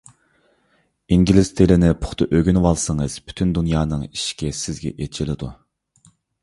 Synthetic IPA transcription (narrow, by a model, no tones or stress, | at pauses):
iŋɡʲilɪst̪ʰelɪnɪpʰʊ̥χt̪ʰʊʔøɡʲynwɑlˠsəŋəz̥bʰy̥t̪ʰynd̪unjɑːnɨŋiʃi̥kʲɛsɪzɡʲɛ̰ʔet͡ʃʰilɪd̪u